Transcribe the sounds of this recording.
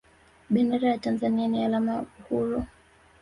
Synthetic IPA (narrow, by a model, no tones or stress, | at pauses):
ɓɛndɛɾajatanzanianialamauhuɾɔ